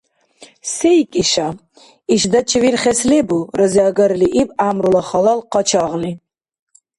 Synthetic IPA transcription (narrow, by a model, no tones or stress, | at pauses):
sejkʼiʃa | iʃd̪ɐt͡ʃʰivirχɛslɛburəziɑɡɐɾliʔibamɾulaχɑlɑlqɑt͡ʃʰɑʁli